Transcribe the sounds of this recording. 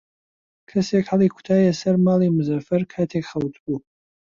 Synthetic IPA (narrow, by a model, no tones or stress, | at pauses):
kʰɨsekħalikʷʰtʰajasɐrmalimzɐfɐrkʰatʰeχɐwt͡sʼbʼu